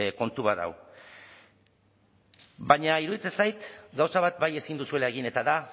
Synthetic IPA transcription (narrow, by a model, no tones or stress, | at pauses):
ko̞nt̪uβaða̰w | baɲaiɾuðit͡se̞nsajt̪ɡawsaβat̪̚baje̞sind̪usue̞lae̞ɣ̞ine̞t̪aða